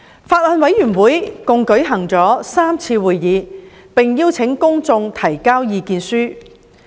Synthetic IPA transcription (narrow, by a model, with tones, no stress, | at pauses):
faː˧t̚lɔ˨˧nwɐ˨˥jɥyː˨˩nwuː˨˥jkʊ˨ŋkɵ˨˥ɥɦɐ˨˩ŋt͡sɔː˨˥saː˥mt͡sʰiː˧wuː˨jːiː˨˧ | pɪ˨ŋjiː˥wt͡sʰɪ˨˥ŋkʊ˥ŋt͡sʊ˧ŋt̪ʰɐ˨˩jkaː˥wjiː˨˧kiː˨˧nsyː˥